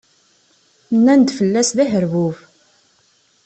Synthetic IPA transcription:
nːænd̪fəlːæsðæɦəɾvuv

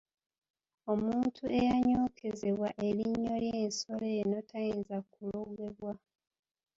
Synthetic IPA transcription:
o̞muːntʰuʔe̞jaɲoːkʰe̞ze̞βwaʔe̞liɲːo̞ljeːnso̞leno̞tʰajeːnzakuloɡe̞βwa

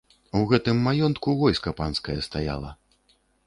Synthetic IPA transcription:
uɣɛt̪ɨmːajɔnt̪kuvɔjskɐpanskɐjɐst̪aja̰lˠɐ̰

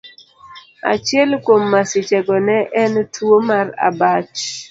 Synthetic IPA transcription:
a̰t͡ʃɪɛlkwomːasɪt͡ʃɛɡɔnɛʔɛntʰwomara̰bat͡ʃ

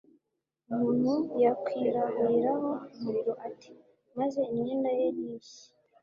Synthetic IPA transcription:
umuːn̥hujakwiːɾaβuɾiɾaɦo̞umuɾiɾo̞ʔatʰi̥ | maze̞inɲeːndajeɾjiːçi̥

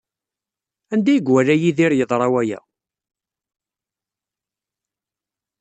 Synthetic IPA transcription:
ænd̪æjəɡwælæjiðiɾjəðˤɾˤɑwæjæ̰

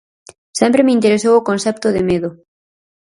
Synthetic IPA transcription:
sɛmpɾemeint̪eɾesowokonθɛp̚t̪ʊðɪmeðʊ

